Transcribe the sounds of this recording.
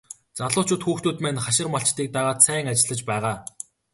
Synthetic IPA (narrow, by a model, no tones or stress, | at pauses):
t͡saɮʊːt͡ɕʰʊːt̪xuːxt̪uːt̪mæːnχaʃɪ̆rmɔɬt͡ɕt̪iːk̚t̪aʁaːt̪sæːŋat͡ɕɪ̆ɮə̆t͡ɕpæːʁaː